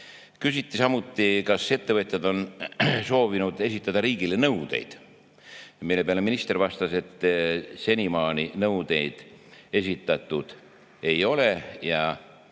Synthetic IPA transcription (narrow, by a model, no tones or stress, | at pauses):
kysit̪ːˑisɑmut̪ːikɑse̞t̪ːe̞vɤt̪ʲˑjɑd̪o̞nso̞ːvinud̪̥e̞sit̪ːˑɑd̪̥ɑɾiːɡile̞nɤwd̪̥e̞̰jd̪̥ | milːe̞peɑle̞minist̪e̞ɾvɑst̪ɑse̞t̪ːse̞nimɑːninɤwd̪̥e̞jd̪̥e̞sʲit̪ːˑɑt̪ːˑud̪̥ | e̞jo̞le̞jɑ